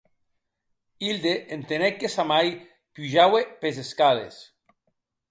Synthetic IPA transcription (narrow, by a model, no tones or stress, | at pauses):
ild̪eʔent̪enekːesamaj | puʒawepezeskalḛs